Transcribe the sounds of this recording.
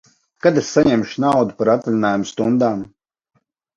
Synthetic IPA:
kad̪esːaɲɛmʃinawd̪upaɾat̪vʲlʲinaːjumust̪und̪aːm

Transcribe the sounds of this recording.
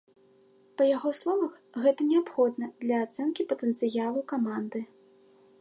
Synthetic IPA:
pɐjaɣɔslˠɔvɐx | ɣɛt̪ɐnʲɛapxɔd̪nɐd̪lʲɐːt̪sɛnkʲipɐt̪ɛnt̪sɨjalˠukamand̪ɨ

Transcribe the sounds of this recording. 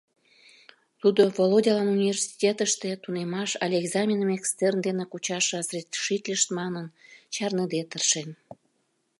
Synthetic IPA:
t̪ud̪ovolˠodʲɑlɑnunʲivʲersi̥tʲet̪əʃt̪et̪unemɑʃɑlʲeɡzɑmʲinəmekst̪ernd̪enekut͡ɕɑʃɤ̆srʲet̪ʃit̪ʲlʲəʃt̪mɑnənt͡ɕɑrnəd̪et̪ərʃen

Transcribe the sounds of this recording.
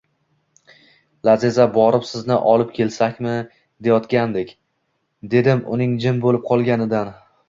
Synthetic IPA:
laze̞zabɒɾɪpsɪznɪ̰ʔɒlˠɪp̚kʲʰe̞lsakʲmɪ | d̪e̞jɒt̪kʲand̪ekʲ | d̪e̞d̪ɪmʊ̰nɪŋd͡ʒɪmbolɪp̚qʰɒlˠɡʲanɪd̪an

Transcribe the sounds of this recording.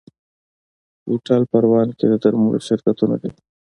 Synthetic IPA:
iʈɑlpɐɾwɑːnked̪əd̪aɾmuɽ̰ʃɪɾkat̪una̰d̪e

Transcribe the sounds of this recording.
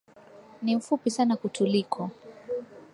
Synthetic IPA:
nim̩fupisanakutʰulikʰɔ

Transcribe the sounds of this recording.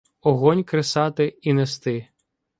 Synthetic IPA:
ɔɦɔnʲkɾɪsɑt̪ɪinest̪ɪ

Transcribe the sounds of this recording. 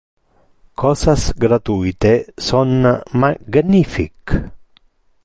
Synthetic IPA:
kʰɔsasɡɾat̪ujt̪esonmaɡnifḭk

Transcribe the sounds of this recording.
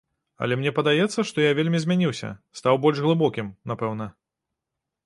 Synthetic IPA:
ɐ̰lʲɛmnʲɛpɐd̪ajɛt̪sːɐʂt̪ɔjavʲelʲmʲizʲmʲanʲiwsʲɐ̰st̪awbɔlʲʒɣlˠɨbɔkʲimnapɛwn̪ɐ

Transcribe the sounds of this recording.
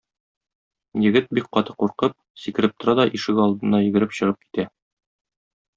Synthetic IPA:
jɘ̆ɡɘt̪̚bik̚qɒt̪ɤ̥quɾqɤp̚sikɘ̆ɾɘp̚t̪ŏɾɑd̪ɒʔiʃɘ̆ɡɒlˠd̪ɤ̆nɑjɘ̆ɡɘ̆ɾɘpɕɤ̆ʁɤp̚ki̥t̪æ

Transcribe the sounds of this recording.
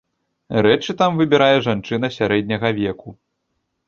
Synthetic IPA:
rɛt͡ʂɨt̪amvɨbʲɛɾajɛʐant͡ʂɨn̪ɐsʲaɾɛd̪ʲnʲɐɣɐvʲɛku

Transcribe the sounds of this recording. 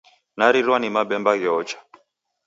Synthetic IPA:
naɾiɾwanimabɛmbaɣjɔːt͡ʃḁ

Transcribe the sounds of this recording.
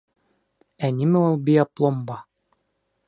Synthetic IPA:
ænʲimɘolˠbijɑplˠombɑ

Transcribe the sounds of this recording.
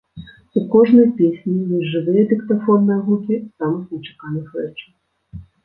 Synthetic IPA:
ukɔʒnɔjpʲisʲnʲiʋʲiʒɪʋɪjɛd̪ʲɪkt̪ɐfɔnnɔjɐɦukʲɪsɑmɔznet͡ʃe̥kɑnɪxɛt͡ʃɪ̥

